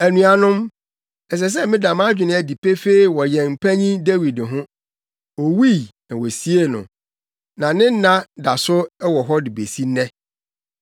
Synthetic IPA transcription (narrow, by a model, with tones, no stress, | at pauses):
æ˨nũ˨a˨nʊ̃˦m | ɛ˨s̬ɛ˨s̬ɛ˦mɪ̃˦dã˨mã˦d͡ʑᶣɪ˨nɪ̃˦æ˨di˨pʰe˦fe˦i˨wɔ˨jɛ˨m̩˨pʰæ˦ɲĩ˦de˦wi˨dɪ˨ɦʊ̃˦ | wɔ˨wi˦˨nã˨wɔ˨si˦e˦nʊ̰̃˨ | nã˨nɪ̃˦n̩˦nã˦da˨sʊ˦ɛ˦wɔ˨ɦɔ˦dɪ˨be˨si˦nɛ̃˦